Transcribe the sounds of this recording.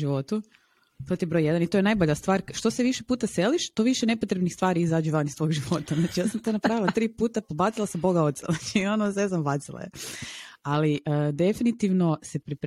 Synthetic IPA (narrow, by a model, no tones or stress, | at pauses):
ʒiʋo̞t̪u | t̪ot̪iebɾo̞jed̪anit̪ojenajbo̞ʎast̪ʋaːɾʃt̪o̞seʋiʃepuːt̪ase̞liʃt̪o̞ʋiʃene̞po̞t̪ɾebnixst̪ʋaːɾiizaːd͡ʒuʋanist̪ʋo̞ːɡʒiʋo̞t̪aznaːt͡ʃijaːsamt̪onapɾaːʋilˠat̪ɾiːpuːt̪apobat̪silˠasabo̞ɡaot̪sa̰znaːt͡ʃionosneznambat̪silˠa̰je | aliəd̪e̞finit̪iʋno̞sepɾip